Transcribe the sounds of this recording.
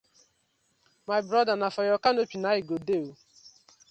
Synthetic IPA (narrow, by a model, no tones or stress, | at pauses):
majbɾɔdanafɔjɔkanopinaiɡodeo